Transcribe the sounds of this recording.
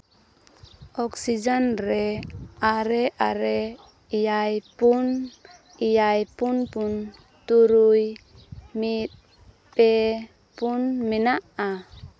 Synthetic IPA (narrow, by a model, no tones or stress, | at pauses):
ɔksid͡ʒanɾɛaɾɛʔaɾɛ | ijajpun | ijajpunpun | t̪uɾuj | mit̪̚ | pɛ | punmɛnaʔa